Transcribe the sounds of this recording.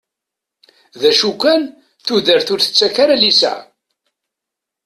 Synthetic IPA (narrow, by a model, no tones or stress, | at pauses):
ðæʃukʷːæn | θuðəɾθʊɾθə̥t͡sːækaɾalisæ̰ʕ